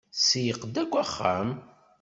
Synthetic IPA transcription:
sijəqd̪æɡʷæχːæ̰m

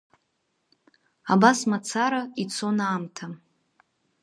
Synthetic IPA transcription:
abasmat͡sʰaɾait͡sʰo̞naːmtʰa

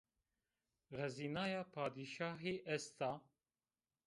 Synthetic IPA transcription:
ɣɛziːnɑːjɑːpʰɑːd̪iʃɑːɦeːʔɛst̪ʰɑː

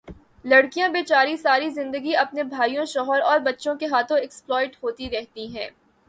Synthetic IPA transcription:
lɐɽkijãbeːt͡ʃaːɾisaːɾizɪ̃nd̪əɡiɐpnebʱaːijõʃɔːɦəɾɔːɾbɐtːʃõkeɦaːt̪ʰõɪksplɔːɪʈɦoːt̪iɾɛɦt̪iɦɛ̃ː

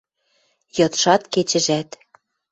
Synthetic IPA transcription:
jɤ̆t̪ʃɑt̪ket͡ɕɘ̆ʒæt̪

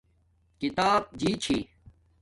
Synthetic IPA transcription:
kit̪aːb̚d͡ʑit͡ɕʰi

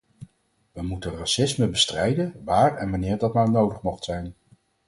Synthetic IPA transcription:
ʋəmutərasɪsməbəstrɛjdənʋaːɹɛnʋɑnɪːɹdɑtmaːɹnowdəχmɔχtsɛjn

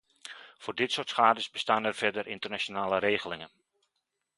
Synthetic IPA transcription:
v̥ʊːɹdɪtsʊːtsχaːdəsbəstaːnɛrv̥ɛdərʔɪntərnat͡ʃonaːləɾeːɣəlɪŋən

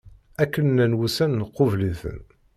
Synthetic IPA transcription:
ækːənːænwusænːəqːʊvliθə̰n

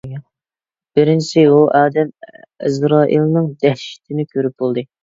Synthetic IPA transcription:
b̥ɪɾɪnt͡ʃɪuʔɑːd̪ɛmḭzɾɑːʔḭlˠnɨŋd̪ɛhʃi̥t̪ʰɪnɪkʲʰøɾyp̚bolˠd̪ɨ

